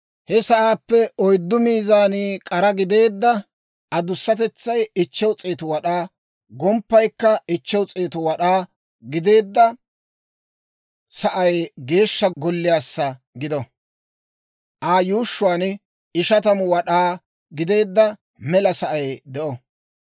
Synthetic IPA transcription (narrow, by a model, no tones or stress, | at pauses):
hɛsɐʔaːpːɛʔɔjd̪ːʊmiːzaːniːkʼɐɾɐɡɪd̪e̞ːd̪ːɐ | ɐd̪ʊsːɐt̪ɛt͡sːɐjɪt͡ʃːɛwt͡sʼeːt̪ʊwɐɗaː | ɡɔmpːɐjkːɐɪt͡ʃːɛwt͡sʼeːt̪ʊwɐɗaː | ɡɪd̪e̞ːd̪ːɐ | sɐʔɐjɡe̞ːʃːɐɡɔlːɪjaːsːɐ | ɡɪd̪ɔ | ʔaːjuːʃːʊwaːn | ɪʃɐt̪ɐmʊwɐɗaː | ɡɪd̪e̞ːd̪ːɐ | mɛlɐsɐʔɐjd̪ɛʔɔ